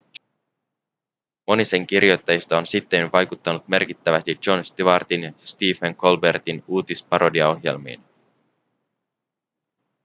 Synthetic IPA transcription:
mo̞nise̞ŋk̟irijo̞jt̪ːɑjist̪ɑonsit̪ːenʋɑjkut̪ːɑnut̪me̞rkit̪ːæʋæst̪id͡ʒo̞nst̪iʋɑrt̪inst̪iːfeŋkʰo̞lbe̞rt̪inuːt̪ispɑɾo̞diɑo̞ɦje̞̰lmḭːn

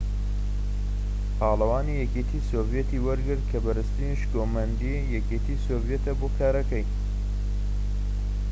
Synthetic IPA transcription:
pʰaːlˠɐwaːniːjɛket̪ʰiːsoːvjet̪ʰiːwɐɾɡɨɾt̪̚kʰɐbɐɾɨst̪iːniʃɡoːmɐnd̪i | jɛkeːt̪ʰisoːvjet̪ɐboːkʰaːɾɐkɐj

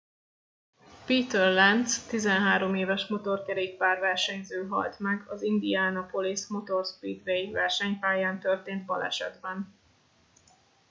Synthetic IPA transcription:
piːt̪ɛrlɛnst̪izɛnɦaːɾo̞meːvɛʃmo̞t̪o̞rkɛɾeːk̚paːrvɛrʃɛɲzøːɦɒ̰lt̪mɛɡɒzind̪iaːnɒpo̞lismo̞t̪o̞rspiːt̪vejvɛrʃɛɲpaːjaːnt̪ørt̪eːnt̪bɒ̰lɛ̰ʃɛ̰d̪bɛn

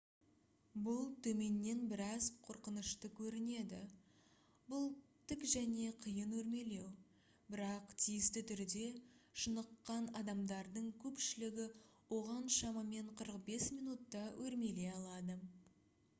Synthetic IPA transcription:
bʊlˠt̪ʰɵme̞nːe̞nbɪɾɑzqʰoɾqənəʃt̪əkʲʰɵɾɪne̞d̪ɪ̰ | bʊlˠt̪ʰɪkʒæne̞qʰəjənwɵɾme̞le̞w | bɪɾɑqt̪ʰijɪst̪ɪt̪ʰʏɾd̪e̞ʃənəqːɑnɑd̪ɑmd̪ɑɾd̪əɴkʲʰɵpʃɪlɪɡʲɪwo̞ʁɑnʃɑməme̞ɴqʰəɾəqbe̞smijnut̪ːɑwʔɵɾme̞le̞ɑlˠɑd̪ə

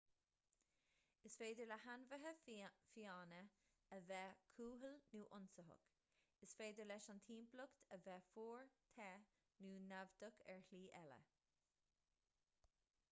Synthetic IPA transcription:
ɪsfeːd̪əɹləhanvəɦəfiɑːnə | əvɛːkʰuːɦəlnuːʔʊnsəɦʊ̰k | ɪsfeːd̪əɹlɛʃant̪ʰiːmplʊkt̪ʰəvɛːfuːɹt̪ʰɛː | nuːnavd̪əkʰɛ̰ɹhliːʔɛlə̰

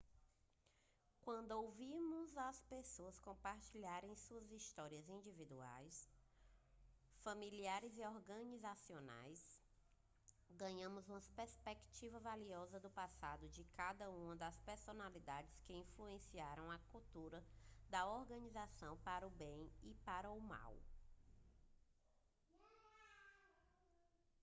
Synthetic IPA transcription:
kwɐ̃nd̪ʊowvimʊzɐspesoɐskõpaɾt͡ʃiʎaɾẽj̃suɐzist̪ɔɾiɐzĩd͡ʒivid̪ua̰js | fɐmiliaɾɪziɔɾɡɐ̃nizasiona̰js | ɡɐ̃ɲɐ̃mʊzũmɐspeɾspekt͡ʃivɐvaliɔzɐd̪ʊpasad̪ʊd͡ʒɪkad̪ɐũũmɐd̪ɐspeɾsonalid̪ad͡ʒɪskɪĩfluẽsiaɾɐ̃w̃ɐkuwt̪uɾɐd̪ɐɔɾɡɐ̃nizasɐ̃w̃paɾɐʊbẽj̃ipaɾɐʊma̰w

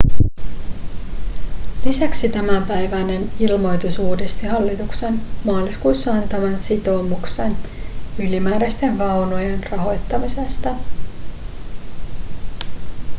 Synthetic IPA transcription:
lisæksit̪æmæmpæjʋæne̞nilmo̞jt̪usuːdest̪ihɑlːit̪ukse̞nmɑːliskujsːɑɑnt̪ɑʋɑnsit̪o̞ːmuksenylimæːɾæst̪e̞nʋɑwno̞jenrɑɦo̞jt̪ːɑmise̞st̪ɑ

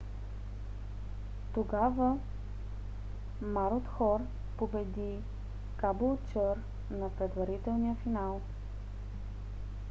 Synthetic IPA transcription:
t̪oɡavə | maɾot̪xɔɾ | pobɛd̪i | kabolˠt͡ʃɤɾ | nɐpɾɛd̪vɐɾit̪ɛlˠnijəfinalˠ

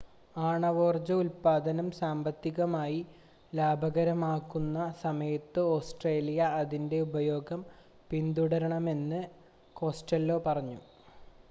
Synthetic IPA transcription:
aːɳɐʋo̞ːrd͡ʑɐulpaːd̪ɐnɐmsaːmbɐt̪ːiɣɐmaːji | laːbʱɐɣɐɾɐmaːkːunːɐsɐmɐjɐt̪ːɨo̞ːsʈre̞ːlijɐːðinde̞ubɐjo̞ːɡɐm | pind̪uɽɐɾɐɳɐme̞nːɨ | ko̞ːsʈɐlːo̞ːpɐrɐɲːu

